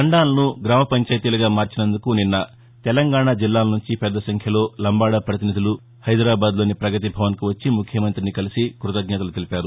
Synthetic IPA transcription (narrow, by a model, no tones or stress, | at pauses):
ɐɳɖaːlɐnuɡɾaːmɐpɐɲt͡ʃaːjt̪iːlɐɡaːmaːɾt͡ʃinɐnd̪ukuninːɐ | t̪ɛlɐŋɡaːɽaːd͡ʒilːaːlɐnuɲt͡ʃipɛd̪ːɐsɐŋkʰjɐlo̞ːlɐmbaːɽɐpɾɐt̪inid̪ʱulu | hɐjd̪ɾaːbaːd̪lo̞ːnipɾɐɡɐt̪̬ibʱɐʋɐnkuʋɐt͡ʃːimukʰjɐmɐnt̪ɾinikɐlisikɾut̪ɐd̪ʱnjɛːt̪ɐlut̪elipaːɾu